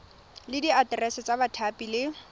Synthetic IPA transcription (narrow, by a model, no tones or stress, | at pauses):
lɪdiatrɛsɛt͡sʼabatʰapʼilɪ